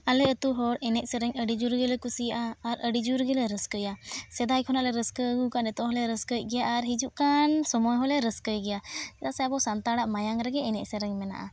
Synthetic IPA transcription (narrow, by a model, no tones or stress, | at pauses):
alɛət̪uɦɔɾɛnɛʔ̚səɾɛŋəɖid͡ʒuɾɡɛlɛkusijaʔaːɾəɖid͡ʒuɾɡɛlɛɾəskəjasɛd̪ajkʰɔnalɛɾəskəəɡukanɛt̪ɔɦɔlɛɾəskət̚ˀɡɛjaʔaɾɦid͡ʒuʔkansɔmɔjɦɔlɛɾəskəjɡɛjasɛd̪aʔsɛabɔsant̪aɽaʔmajaŋɾɛɡɛɛnɛʔsəɾɛŋmɛna̰ʔa̰